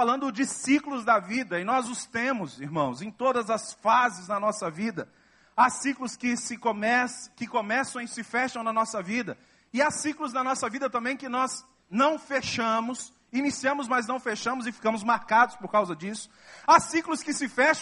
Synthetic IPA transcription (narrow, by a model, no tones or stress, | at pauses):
alɐ̃nd̪ʊd͡ʒɪsiklʊzd̪ɐvid̪ɐɪnɔzʊst̪ẽmʊziɾmɐ̃w̃zẽj̃t̪od̪ɐzɐsfazɪznɐnɔsɐvid̪ɐ | asiklʊskɪsɪkomɛskɪkomɛsɐ̃w̃sɪfɛʃt̪ɐ̃w̃nɐnɔsɐvid̪ɐ | ɪasiklʊznɐnɔsɐvid̪ɐt̪ɐ̃mbẽj̃kɪnɔz | nɐ̃w̃feʃɐ̃mʊs | inisiɐ̃mʊzmɐznɐ̃w̃feʃɐ̃mʊzɪfi̥kɐ̃mʊzmaɾkad̪ʊspoɾkawzɐd͡ʒisʊ̥asiklʊskɪsɪfɛʃ